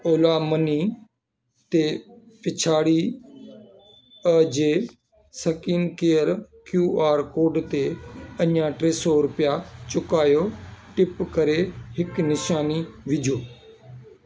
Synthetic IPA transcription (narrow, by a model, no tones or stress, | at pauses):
oːlaːməniː | t̪eː | pɪt͡ʃʰaːɽiː | əd͡ʒeː | səkiːnkeːəɾ | kjuːʔaːɾkoːɖt̪eːəãːʈɾeːsɔːɾʊpɪjaːt͡ʃʊkaːjoːʈɪpkəɾeːɦɪknɪʃaːniːʋɪd͡ʒʱoː